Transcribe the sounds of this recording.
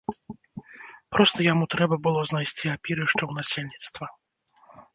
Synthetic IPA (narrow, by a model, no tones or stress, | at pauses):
pɾɔst̪ɐjamut̪ɾɛbɐbɨlˠɔznajsʲt͡sʲiapʲiɾɨʂt͡ʂɐwnasʲelʲnʲit̪st̪vɐ